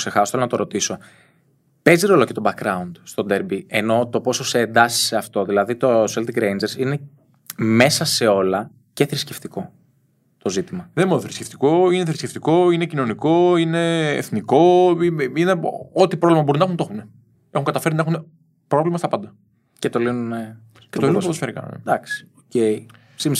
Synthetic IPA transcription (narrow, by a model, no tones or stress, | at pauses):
se̞xɐso̥θelonɐt̪o̞ɾo̞t̪iso̞ | pe̞ziɾo̞loce̞t̪o̞bɐkɾɐund̪̥st̪o̞d̪eɾbieno̞t̪o̞po̞so̞seːnd̪ɐsi̥se̞ɐft̪o̞ðilɐðit̪o̞selt̪iɡɾejnd͡ʒeɾsine̞ | me̞sɐse̞o̞lɐ | ceθɾisce̞ft̪iko̞ | t̪o̞zit̪imɐðemoðeθɾisce̥ft̪i̥ko̞ineθɾisce̞ft̪iko̞ine̞cino̞niko̞ine̞̰ːθniko̞iineot̪ipɾovlimɐboɾunɐxunt̪o̞xune | exuŋɡɐt̪ɐfe̞ɾninɐexune̞ | pɾo̞vlimɐst̪ɐpɐnd̪ɐ | cet̪o̞linune | et̪inuosfeɾikɐ̰n̰d̪ɐksi̥ocei | sim